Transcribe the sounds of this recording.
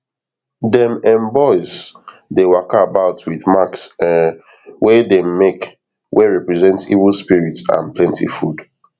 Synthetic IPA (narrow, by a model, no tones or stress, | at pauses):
dɛ̃mɛ̃mbɔɪz | dewakaabaʊtwiðmaksɛ | wedemmek | wʔeɹɛpɹɛzɛ̃ntḭvlspiɹitsã̰nplɛ̃ntḭfud